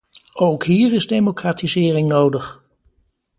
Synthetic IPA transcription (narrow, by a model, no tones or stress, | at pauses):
owkɦiːɹɪzdejmokraːtizɪːrɪŋnowdəχ